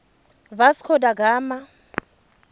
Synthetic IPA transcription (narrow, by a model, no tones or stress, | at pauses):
baskʰɔdaɡaːma